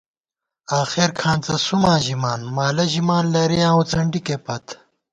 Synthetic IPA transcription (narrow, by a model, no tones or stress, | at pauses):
aːxeɾkʰãːnt͡sɐsumãːʑimaːnmaːlɐʑimaːnlɐɾijãːot͡sɐɳɖikepɐt̪